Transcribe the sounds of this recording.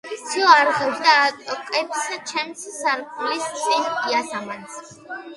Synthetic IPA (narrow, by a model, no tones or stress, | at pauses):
sʰiɔaɾʁɛʒd̪aːt̪ʼɔkʼɛpʰsat͡ʃʰɛmsʰsaɾqʼulispʼɛniat̪ʰamansʰ